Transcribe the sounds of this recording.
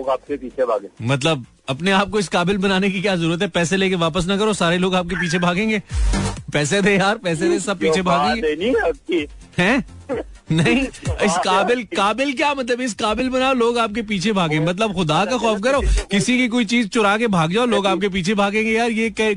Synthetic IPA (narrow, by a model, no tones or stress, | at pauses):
ɡaːp̚kepiːt͡ʃʰebʱa̰ːɡẽːmɐt̪̬ləb̚ | ɐpneaːp̚koɪskaːbɪlbɐnaːnek̬ikjaːzɐɾuːɾət̪ɦɛpɛːseleːkeʋaːpəs̬nɐkɐɾosaːɾeloːɡaːp̚kep̬iːt͡ʃʰebʱaːɡẽːŋɡeːpɛːsed̪eːjaːɾpɛːs̬ed̪eːsɐb̚piːt͡ʃʰebʱaːɡẽŋɡei | ɦɛ̃ː | nɐɦĩɪskaːbɪlkaːbɪlk̬jaːmɐt̪̬ləbɪs̬kaːbɪlbɐnaːoloːɡaːp̚kep̬iːt͡ʃʰebʱaːɡẽːmɐt̪̬ləbxʊd̪akaxɔːfkɐɾoːkɪsikik̬oːit͡ʃiːzt͡ʃʊɾaːkebʱaːɡ̚d͡ʒaːoloːɡaːp̚kep̬iːt͡ʃʰebʱaːɡẽːŋɡejaːɾjeːkɐ